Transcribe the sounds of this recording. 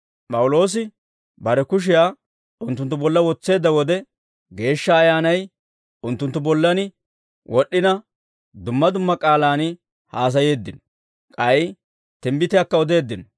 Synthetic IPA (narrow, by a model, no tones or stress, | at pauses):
pʼɐwʊlo̞ːs̬ɪ | bɐɾɛkʊʃ̬ɪjaː | ʊnt̪ːʊnt̪ːʊbɔlːɐwɔt͡sːe̞ːd̪ːɐwɔd̪ɛ | ɡe̞ːʃːɐːjaːnɐj | ʊnt̪ːʊnt̪ːʊbɔlːɐnɪ | wʔɔɗːɪnɐ | d̪ʊmːɐd̪ʊmːɐkʼaːlaːnɪ | haːs̬ɐje̞ːd̪ːɪnɔ | kʼɐj | t̪ɪmbɪt̪ɪjaːkːɐɔd̪e̞ːd̪ːɪnɔ